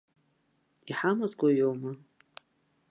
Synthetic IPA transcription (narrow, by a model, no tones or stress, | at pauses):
iħamazɡʷajowma